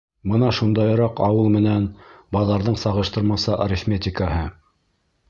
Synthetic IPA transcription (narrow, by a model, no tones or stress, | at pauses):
bɤnɑʃund̪ɑj̆ɾɑqɑwɤlˠmɘ̆nænbɑðˠɑɾðɤɴsɑʁɤ̆ʃt̪ɤɾmɑsɑʔɾʲɪfmʲet̪ʲɪkaɦɤ